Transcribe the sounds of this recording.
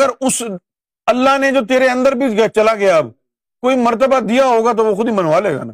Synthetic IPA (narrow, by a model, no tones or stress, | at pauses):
ɡəɾʊs | əlːaːɦneːd͡ʒoːt̪eːɾeːə̃nd̪əɾbiːt͡ʃɡat͡ʃəlaːɡɪjaːb | koːiːməɾt̪̬əbaːd̪ijaːɦoːɡaːt̪̬oːʋoːxʊd̪iːmənoːaːlɦeːɡa̰ːnaː